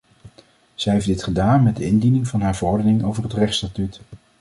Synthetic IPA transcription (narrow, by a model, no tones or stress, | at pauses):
z̥ɛɦejfdɪtχədaːnmɛd̚əɪndinɪŋvɑnɦaːɹvərɔɹdənɪŋowvərɦətrɛχstatyt